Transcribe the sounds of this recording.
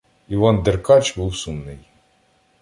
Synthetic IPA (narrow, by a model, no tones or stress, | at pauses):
iʋɑnd̪erkɑt͡ʃbuwsumnɪj